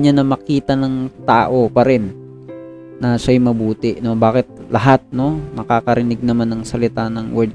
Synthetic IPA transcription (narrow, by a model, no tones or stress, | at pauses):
ɲanɐmɐkiːt̪ɐnɐŋt̪aːʔo̞pɐɾɪn | ɐʃajmɐbuːt̪ɪʔno̞baːkɪt̪̚lʔɐɦat̪̚no̞nɐkaːkɐɾɪnɪɡ̚nɐmanːɐŋsɐlɪt̪anɐŋwɛd̪